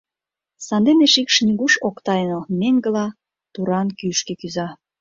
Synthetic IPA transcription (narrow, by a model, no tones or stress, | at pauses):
sɑnd̪eneʃikʃnʲiɡuʃokt̪ɑjnəmeŋɡə̆lɑ | t̪uɾɑnkyʃkĕkyzɑ